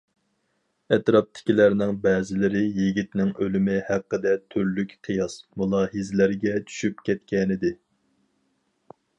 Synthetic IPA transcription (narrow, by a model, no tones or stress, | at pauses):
ɛt̪ɾɑp̚t̪ʰɪ̥kʲilæɾnɪŋbɛːzɪlɪɾɪjiɡʲit̪nɪŋølymɪhæqːəd̪ɛt̪ʰyɾlykʲqʰijɑsmulˠɑːɦizɪlɪɾɡʲɛt͡ʃʰy̥ʃypkʲɛt̪kʲɛnɪd̪ɪ